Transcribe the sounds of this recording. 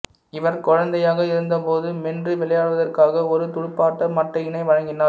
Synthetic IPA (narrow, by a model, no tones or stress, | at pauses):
ɪʋɐɾkɔɻɐnd̪ɐjaːɣɐɪɾɯnd̪ɐpoːðɯmɛndrɯʋɪɭɐjaːɭʋɐðɐrkaːɣɐɔɾɯt̪ʊɻʊpːaːʈːɐmɐʈːɐɪnɐɪʋɐɻɐŋɡɪnaː